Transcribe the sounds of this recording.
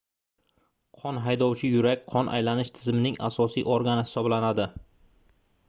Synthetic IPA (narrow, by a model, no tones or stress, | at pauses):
qʰɒnɦajd̪ɒwt͡ʃʰɪjʊɾakʲqʰɒnʔa̰jlanɪʃt̪ʰɪzɪmɪnɪŋa̰sɒsḭːʔoɾɡanɪhɪ̥sɒblanad̪ɪ